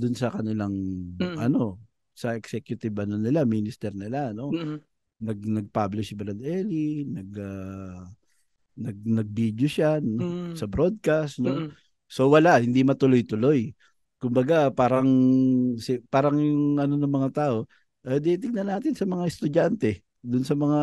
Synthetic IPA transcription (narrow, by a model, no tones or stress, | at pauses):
d̪ʊnsɐkɐnɪlaŋʔɐ̰no̞ | sɐʔɛksɛkjʊt̪ɪbʔɐnonɪlaminɪst̪ɛɾnɪlano̞ | nɐɡ̚nɐɡ̚pablɪʃbɾɐd̪ɛlinɐɡa | nɐɡ̚nɐɡ̚bid̪joʃaosɐbɾo̞d̪̚kast̪no̞ | so̞wɐlahɪnd̪imɐt̪ʊlojt̪ʊlo̞j | kʊmbɐɡapaːɾɐŋsɪpaːɾɐŋjʊŋʔɐno̞nɐŋmɐŋat̪aːʔo̞ | ʔɐd̪ɛt̪ɪɡ̚nɐnaːt̪ɪnsɐmɐŋaɛst̪ʊd͡ʒant̪ɛ | d̪ʊnsɐmɐŋa